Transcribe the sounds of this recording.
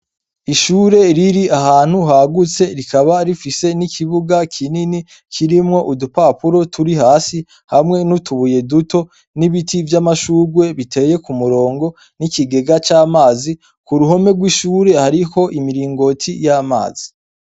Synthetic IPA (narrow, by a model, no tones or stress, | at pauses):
iʃuɾe̞ɾiɾiʔaɦaːn̥huɦaɡut͡se̞ɾikʰaβaɾifise̞nikʰiβuɡakʰinini | kʰiɾimŋo̞ʔudupapuɾo̞tʰuɾihaːsi | hamŋe̞nutuβuje̞duto̞ | niβitʰivjamaʃuːɡwe̞βitʰe̞ːje̞kumuɾo̞ːŋɡo̞ | nikiɡe̞ɡat͡ʃaːmaːzi | kuɾuho̞me̞ɡwiʃuːɾe̞haɾiho̞ʔimiɾiːŋɡo̞tʰijaːma̰ːz̥i